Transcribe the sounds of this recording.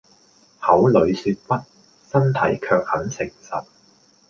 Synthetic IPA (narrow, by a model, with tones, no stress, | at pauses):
hɐ˨˥wlɵ˨˧ɥsyː˧t̚pɐ˥t̚ | sɐ˥nt̪ʰɐ˨˥jkʰœː˧k̚hɐ˨˥nsɪ˨˩ŋsɐ˨t̚